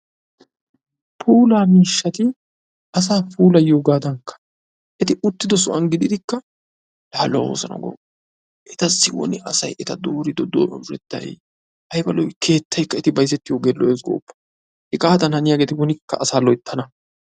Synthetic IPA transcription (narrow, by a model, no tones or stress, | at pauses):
pʰuːlaːmiːʃːɐt̪ɪ | ɐs̬aːpuːlɐjoːɡaːd̪ɐŋkːɐ̥ | ʔɛt̪ɪʔʊt̪ːɪd̪ɔs̬ʊʔɐnɡɪd̪ɪd̪ɪkːɐ | laːl̰wo̰ːsɐnɐ̰ɡɔ̰ | ʔɛt̪ɐsːɪwɔ̰nɪʔɐsɐjʔɛt̪ɐd̪oːɾɪd̪ɔd̪o̰ːʔʊɾɛ̰t̪ːɐ̰j | hɐjbɐlɔjkʰe̞ːt̪ʰːɐjkːɐɛt̪ɪbɐjs̬ɛt̪ːɪjoːɡɛlːɔʔeːsɡo̰ːpːɐ̥ | hɪkʼaːd̪ɐnhɐnɪjaːɡeːt̪ɪwɔnɪkːɐ̰ʔɐsaːlɔjt̪ʰːɐnɐ